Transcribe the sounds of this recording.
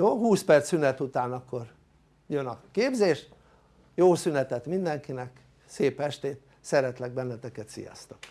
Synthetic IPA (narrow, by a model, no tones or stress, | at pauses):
joːhuːspɛrt̪synɛt̪ut̪aːnɒkːo̞r | jønɒkeːbzeːʃ | joːsynɛt̪ɛt̪mind̪ɛŋkinɛk | seːpɛʃt̪eːt̪ | sɛɾɛt̪lɛɡ̚bɛnːɛt̪ɛkɛt̪sḭjɒ̰st̪ɒ̥k